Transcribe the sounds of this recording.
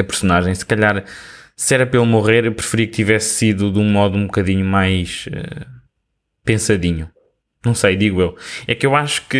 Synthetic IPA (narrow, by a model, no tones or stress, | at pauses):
ɐpɨɾsunaʒɐ̃j̃sɨ̥kɐʎaɾ | sɛɾɐpelˠumuʁeɾewpɾɨfɨɾiɐk̚t̪ivɛsːiðuðũmɔðuũbukɐðiɲumajʃɛ̰ | pẽsɐðiɲu | nɐ̃w̃sɐjd̪iɣwewɛkewaʃu̥kɨ